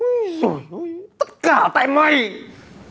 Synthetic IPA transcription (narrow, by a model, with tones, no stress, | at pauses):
zo˨˩jt̪ə˦˥t̚kaː˧˩t̪a̰ː˧˨jma˨˩j